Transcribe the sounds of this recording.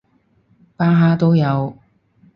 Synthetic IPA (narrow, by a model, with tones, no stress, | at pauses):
paː˥ɦaː˥t̪o˥wjɐ˨˧w